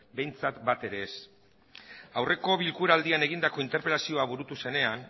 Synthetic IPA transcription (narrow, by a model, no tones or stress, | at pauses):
be̞jnt͡sat̪bat̪e̞ɾe̞ːs | awre̞ko̞βilkuɾald̪iane̞ɣind̪ako̞int̪e̞ɾpe̞lasio̞aβuɾut̪use̞ne̞an